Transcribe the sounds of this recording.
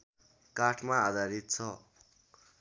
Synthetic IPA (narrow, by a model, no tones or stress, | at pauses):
kaʈʰmaːd̪ʱaɾit̪̚t͡sʰʌ